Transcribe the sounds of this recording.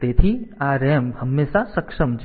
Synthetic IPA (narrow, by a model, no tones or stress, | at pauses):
t̪eːt̪ʰiaːɾeːmhɐmːeːsasɐkʃəmd͡ʒ